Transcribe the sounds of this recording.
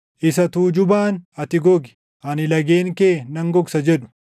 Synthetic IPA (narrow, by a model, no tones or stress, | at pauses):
ʔɪsɐt̪uːd͡ʒʊbaːnɐt̪ɪɡɔɡɪ̥ | ʔɐnɪlɐɡeːŋkeːnɐŋɡɔksɐd͡ʒɛᶑʊ̥